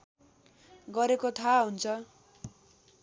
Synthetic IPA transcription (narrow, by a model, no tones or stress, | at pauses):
ɡʌɾekot̪ʰaɦunt͡sʰʌ